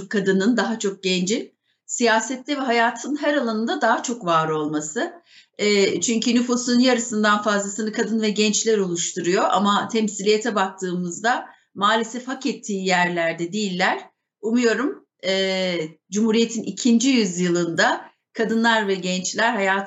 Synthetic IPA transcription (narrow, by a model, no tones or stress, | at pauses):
kʰːad̪ɯnɯnd̪aɦat͡ʃʰo̞k̚ɟ̥ɛnd͡ʒi | sijaːsɛt̪lʲɛvɛɦajaːt̪ʰɯnɦɛɾalˠanɯnd̪ad̪aɦat͡ʃʰo̞kvaːɾo̞lˠmasɯ | ɛːt͡ʃʰyɲcʰynyfusunnjaɾɯsɯnd̪anfazlˠasɯnɯkʰad̪ɯnvɛɟɛnt͡ʃlʲɛɾo̞lˠuʃt̪ʰuɾujo̞ʔa̰mat̪ʰɛmsilʲijet̪ʰɛbak̚t̪ʰɯːmɯzd̪a | maːlʲesɛfhakɛt̪ʰːiːjæɾlʲæɾd̪ɛd̪ijilʲːæɾ̥ | umujo̞ɾum | ɛːd͡ʒumhuːɾijet̪ʰinicʰind͡ʒijyzjɯlˠɯnd̪a | kʰad̪ɯnlˠaɾvɛɟɛnt͡ʃlʲæɾɦajaː